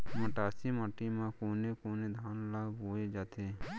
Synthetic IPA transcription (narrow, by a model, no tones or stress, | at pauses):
məʈaːsimaʈimãkoːnekoːned̪ʱaːnlaːboːed͡ʒaːt̪ʰeː